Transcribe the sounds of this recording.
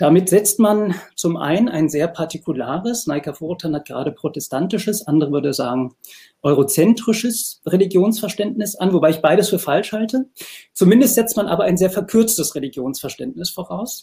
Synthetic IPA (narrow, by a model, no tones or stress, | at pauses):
d̥amɪtz̥ɛt͡stmant͡sʊmʔa̰ɪnəna̰ɪnzeːɐpʰaɐtikʰulaːʁəsnaɪkafoːʁtʰanhat̚ɡ̥əʁaːɾəpʁ̥otɛstʰantɪʃəsʔandəʁəvʏɐdəzaːɡŋ̩ | ʔɔʏʁot͡sɛntʁ̥ɪʃəsʁeliɡjoːnsfɛɐʃtɛntnɪsʔanvobaɪɪçb̥aɪɾəsfyːɐfalʃhaltət͡sumɪndəstz̥ɛt͡stmanʔaːbɐaɪnzeːɐfɛɐkʰʏɐt͡stəsʁeliɡjoːnsfɛɐʃtɛntnɪsfoːʁaʊs